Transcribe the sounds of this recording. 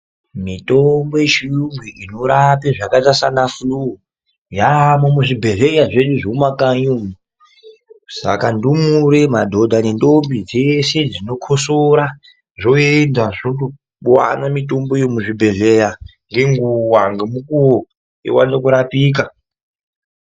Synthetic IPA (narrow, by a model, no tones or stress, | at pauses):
mitombo̞jeʃiuŋɡiʔinoɾapeʐakatasanafulu | jamomuʐibʱe̞ɮe̞jaʐe̞ɗuʐoumakaɲuːmu | sa̰kandumuɾemadʱo̞dʱanendombid͡zese̞d͡zino̞kʰosoɾa | ʐo̞endaʐiotu | ɓwa̰namito̞mbo̞jemuʐibʱe̞ɮejaŋɡe̞ŋɡuwaŋɡemukuwo | ḛwa̰nekuɾapiːk̬a